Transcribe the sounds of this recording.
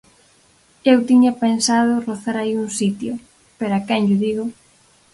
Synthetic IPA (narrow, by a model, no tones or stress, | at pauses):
ewt̪iɲɐpensað̞ʊroθaɾaiuŋsit̪jʊ | peɾakɛnʎʊðiɣʊ